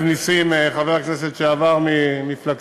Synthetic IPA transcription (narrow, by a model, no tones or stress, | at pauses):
nisimeχaveʁaknes̬et̪ʃeavaʁmimiflak